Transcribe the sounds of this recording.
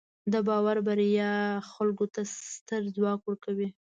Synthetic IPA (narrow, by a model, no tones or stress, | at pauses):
d̪əbɑwaɾbaɾjɑxalɡot̪ast̪əɾzwɑkwəɾkawi